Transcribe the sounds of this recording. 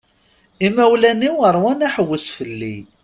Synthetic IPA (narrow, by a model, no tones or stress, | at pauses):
imæwlæniwəɾˤwænæħəwːəsfəlːḭ